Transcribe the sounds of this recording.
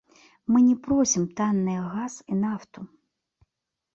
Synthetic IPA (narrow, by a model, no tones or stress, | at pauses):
mɨnʲɛpɾɔsʲimt̪anːɨjɐɣasinaft̪u